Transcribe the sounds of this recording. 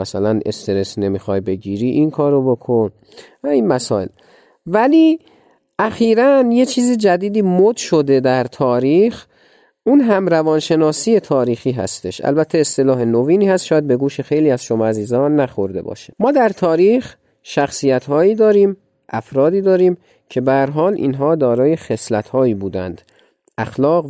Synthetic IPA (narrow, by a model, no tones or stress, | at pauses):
mæsælænʔe̞̰st̪e̞ɾe̞sne̞miːxɒjbe̞ɟiːɾiːʔinkʰɒːɾobokʰon | æiːnmæsɒːe̞̰l | væliː | ʔæxiːɾænje̞t͡ʃʰiːzid͡ʒæd̪iːd̪iːmod̪ʃo̞d̪e̞d̪æɾt̪ʰɒːɾiːx | uːnɦæmɾævɒːnʃe̞nɒːsiːe̞t̪ʰɒːɾiːxiːɦæ̰st̪e̞ʃʔæ̰lbæt̪ʰːeːst̪e̞lɒːɦe̞noviːniːhæst̪ʃɒːjæd̪̚be̞ɡuːʃexe̞jliːæzʃomɒːæziːzɒːnːæxo̞ɾd̪e̞̰bɒ̰ːʃemɒːd̪æɾt̪ʰɒːɾiːx | ʃæxsiːjæt̪hɒːiːd̪ɒːɾiːm | ʔæfɾɒːd̪iːd̪ɒːɾiːm | cʰe̞bææɾɦɒːlʔḭːnɦɒːd̪ɒːɾɒːje̞xe̞slæt̪hɒːiːbuːd̪æ̰nd̪̥ | æxlɒːɣ